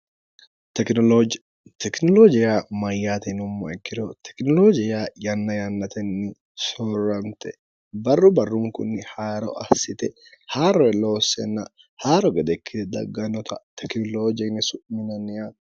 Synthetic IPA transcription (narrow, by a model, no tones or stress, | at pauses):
t̪ɛ | t̪ʰɛknɔlod͡ʒɪjamɐjːaːt̪ɛnʊmːɐ̰ɛkːɪɾɔt̪ʰɛ̥knɔlod͡ʒɪjajɐnːɐjɐnːɐt̪ɛnːɪ | sɔrːɐnt̪ɛ | bɐrːʊbɐrːʊŋkʊ̰nːɪhaːɾɔ̰ʔɐsːɪt̪ɛ | haːɾɔɛloːsːɛ̰nːɐ | haːɾɔɡɛd̪ɛkʰːɪt̪ɛd̪ɐ̰ɡːɐnɔt̪ʰɐt̪ʰɛknɔloːd͡ʒɪnɪsʊʔmɪnɐnɪja